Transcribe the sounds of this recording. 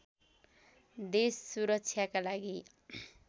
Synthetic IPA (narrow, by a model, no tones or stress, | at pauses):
d̪esːuɾʌk̚t͡sʰjakalaɡi